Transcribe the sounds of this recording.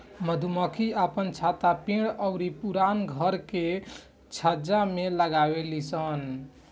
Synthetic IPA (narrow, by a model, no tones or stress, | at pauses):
məd̪ʱuməkʰiəpənt͡ʃʰat̪apĩɽəʊɾipuɾanɡʱəɾke | t͡ʃʰəd͡ʒameləɡabelisən